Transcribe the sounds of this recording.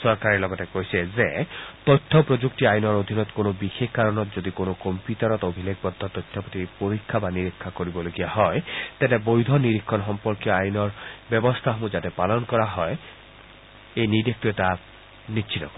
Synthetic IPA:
sɔɾkaɾiɾlɔɡɔtekojsezet̪ɔjtʰːɔpɾod͡ʒuk̚tiajnɔɾod̪ʱinɔt̪konobixʰekkaɾɔnɔt̪zod̪ikonokɔmpjutɔɾɔt̪obʱilek̚bɔd̪ʱːɔt̪ɔjt̪ʰːɔpot̪ipoɾikʰːabaniɾikʰːakoɾibɔloɡijaɦɔet̪ɛnebojd̪ʱɔniɾikʰːɔnɦɔmpɔɾkjɔajnɔɾbebɔst̪ʰaɦomud͡ʒatepalɔnkɔɾaɦɔe | ejnidek̚t̪ieta | nitːʃʰit̪ɔkɔ

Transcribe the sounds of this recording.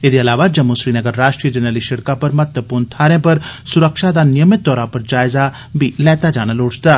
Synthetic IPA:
ed̪eɐlaːʋad͡ʒɐmusɾiːnəɡəɾːaːʃʈɾiːəd͡ʒɛnɾəliʃɐɽkapɐɾmɐt̪əpuɾnt̪ʰaːɾẽpɐɾsʊɾəkʃad̪anɪjəmɪt̪̚ːɔːɾãpɐɾd͡ʒaːɪza | bʱilɛːt̪ad͡ʒaːɽ̃əloːt͡ʃt̪aː

